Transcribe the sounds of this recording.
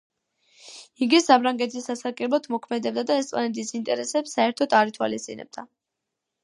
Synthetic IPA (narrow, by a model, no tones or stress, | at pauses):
iɡisapʰɾaŋɡɛt̪ʰisːasakʼɛlɔt̪ʰmɔkʰmɛd̪ɛb̚d̪ad̪aɛst̪sʼa̰nɛt̪ʰisint̪ʼɛɾɛsɛpsːaɛɾt̪ʰɔd̪aɾit̪ʰwa̰list̪sʼḭnɛ̰b̚d̪a